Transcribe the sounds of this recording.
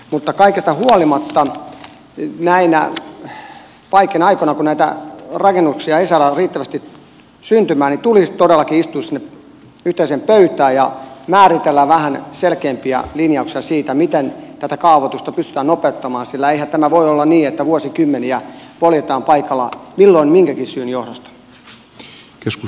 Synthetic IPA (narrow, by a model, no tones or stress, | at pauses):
mut̪ːɑkɑikest̪ɑhuolimɑt̪ːɑ | næinæ̰ | pɑikenɑikonɑkunæit̪æ̰rɑkenːuksiɑesælːæriːt̪ːæʋæst̪i | synt̪ymæːnit̪ulit̪odelːɑkiist̪uissinːe | yht̪eisemppøyt̪æːjjɑmæːrit̪elːæʋæhænselkeːmpiɑ̰linjɑuksiɑsiːt̪æmit̪ent̪æt̪ækɑːʋot̪ust̪ɑpyst̪y̥t̪æːnopeut̪ːɑmɑːnsilːæeihænt̪æmæʋoiolːɑnniːet̪ːæʋuosikymːeniæpoljet̪ɑːmpɑikɑlːɑ̰milːoinmiŋkækissyːnjohdost̪ɑ̥ | kesku